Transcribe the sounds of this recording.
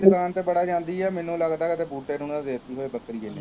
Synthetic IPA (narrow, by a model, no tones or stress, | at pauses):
d̪ʊkaːnt̪eːbəɽaːd͡ʒãːnd̪iːɛːmɛ̃ːnũːləɡd̪aːkət̪eːbuːʈeːnũːnãd̪eːt̪iːɦoːeːbəkɾiːɛː